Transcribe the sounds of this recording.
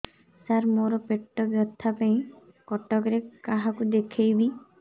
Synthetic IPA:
saɾmoɾɔpeʈːɔbjɔt̪ʰːapaj̃ | kɔʈɔɡɾekaɦakud̪ekʰejbi

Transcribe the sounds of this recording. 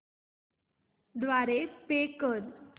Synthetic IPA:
d̪ʋaɾepekəd̪

